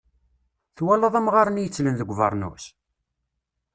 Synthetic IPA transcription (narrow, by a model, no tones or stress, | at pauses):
θwælːɑðˤæmʁaɾənjət͡sːlənðəɡʷːvɑ̰ɾˤnṵs